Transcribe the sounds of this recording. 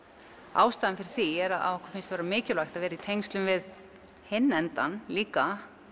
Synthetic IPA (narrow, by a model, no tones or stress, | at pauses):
a̰ːwst̪aːðɪnfɪɾɪ̥ɾ̥θiɛɾaa̰ɔhkʏ̥ɾ̥fɪnst̪vɛːɾamɪːcɪlajxt̪aðvɛːɾait̪ʰejnst̪lʏmvɪð | hɪnːɛnt̪a̰nliːka